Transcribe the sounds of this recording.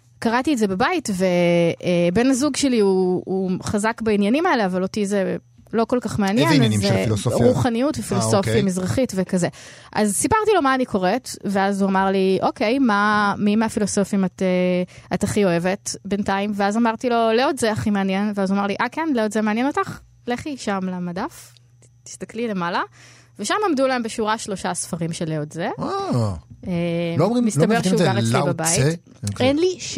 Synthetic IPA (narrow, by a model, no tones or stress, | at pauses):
kaʁatietdze̞babaitveebe̞nazuɡʃeliuː | χazakbainjanimaele̞avalo̞tize | lo̞ko̞lkaχmeanjenzeʁuχanijutvefilosso̞iamizʁaχitvekazeʔa̰zsipaʁtilo̞maːnikʰo̞ʁetveazuamaʁliʔo̞ke̞jmamimafilo̞so̞fimateataχio̞e̞vetbentaimveazamaʁtilo̞leozeaχimeanjenveazuamaʁliʔakenleodzemeanjeno̞taχ | leχliʃamlamadaf | ti̥st̪aklile̞mala | veʃamamdulaembeʃuʁaʃlo̞ʃasfaʁimʃeleodzea | elomʁimisabeʃeuɡaʁet͡slibabai | enliʃ